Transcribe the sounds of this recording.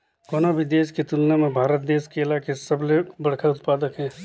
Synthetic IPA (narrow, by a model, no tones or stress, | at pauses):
koːnobʱid̪eːʃket̪ulnemẽbʱaːɾət̪̚d̪eːʃkeɪlaːkesəblebɐɽkʰaʊt̪paːd̪əkɦɛ̃ː